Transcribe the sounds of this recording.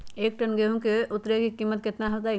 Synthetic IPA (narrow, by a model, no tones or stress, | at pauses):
eːk̚ʈɐnɡeɦũkeʔʊt̪ɾekikiːmːət̪̚kɪt̪naɦɐlt̪̬a